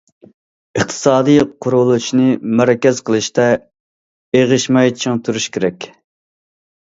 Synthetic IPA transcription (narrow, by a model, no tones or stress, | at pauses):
əχt̪ʰɨ̥sɑːd̪ɨjqʰʊɾʊlˠut͡ʃnɨmæɾɛkʲɛz̥qəlˠɨʃt̪ɛ | eʁɨʃmɛjt͡ʃʰiŋt̪ʰuɾuʃkʲʰeɾɛkʲ